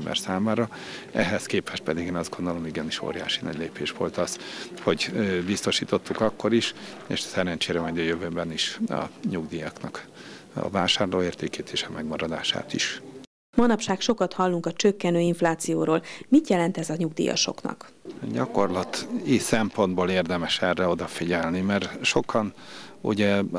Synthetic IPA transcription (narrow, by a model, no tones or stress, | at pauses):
mbɛ̰rsaːmaːɾɒ | ɛɦɛskeːpɛʃ̚pɛd̪iɡeːnɒzɡond̪olomiɡɛniʃo̰ːɾija̰ːʃinɒ̰ɟleːpeːʃʋo̞lt̪ɒzho̞ɟbist̪o̞ʃiːt̪o̞t̪ːukɒkːo̞ɾiʃḛːʃɒ̥sɛɾɛnt͡ʃeːɾɛmɛɟɒjøvøːbɛniʃɒ̰ɲuɡd̪iːjɒknɒk | ɒ̰vaːʃaːrloːeːrt̪eːkeːt̪ʰeːʃɒmɛɡmɒɾɒd̪a̰ːʃa̰ːt̪iʃ | mɒnɒpʃaːkʃo̞kɒt̪hɒlːuŋkɒt͡ʃøkːɛnøːiɱflaːt̪sijoːɾoːlmit̪jɛlɛnt̪ɛzɒɲuɡ̚d̪ḭːjɒ̰ʃo̞̰knɒ̰k | ɟɒko̞rlɒt̪isɛmpo̞nd̪boːleːrd̪ɛmɛʃɛrːɛo̞d̪ɒfiɟɛlnimɛrʃo̞kʰɒn | ṵɟɛ